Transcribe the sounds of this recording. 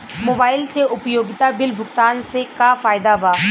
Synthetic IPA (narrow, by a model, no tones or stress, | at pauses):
moːbaːɪlseʔʊpjoːɡɪt̪abɪlbʱʊkt̪aːnsekafaːɪd̪abaː